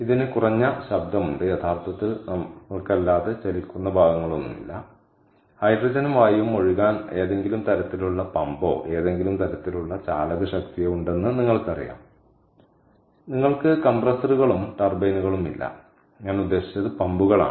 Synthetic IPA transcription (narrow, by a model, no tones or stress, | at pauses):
iðinɨkurɐɲːɐɕɐb̚d̪ʱɐmuɳɖɨjet̪ʰaːrt̪ʰɐt̪ːilnɐɐɭkɐlːaːðet͡ɕɐlikʲːunːɐbʱaːɡɐŋːɐɭo̞nːṵmḭlːɐ̰ | hɐjɖrɐd͡ʑɐnumʋaːjɐumo̞ɻiɣaːne̞ːðe̞ŋɡilumt̪ɐɾɐt̪ːiluɭːɐpɐmbo̞̰ːʔe̞ːðe̞ŋɡilumt̪ɐɾɐt̪ːiluɭːɐt͡ɕa̰ːlɐɣɐɕɐkt̪ijɐuɳɖe̞nːɨniŋːɐɭkɨɐrḭja̰ːm | niŋːɐɭkɨkɐmbrɐsɐruɣɐɭumʈɐrbejnuɣɐɭumḭlːɐ̰ | ɲaːnud̪ːe̞ːɕi̥t͡ɕːɐðɨpɐmbuɣɐɭa̰ː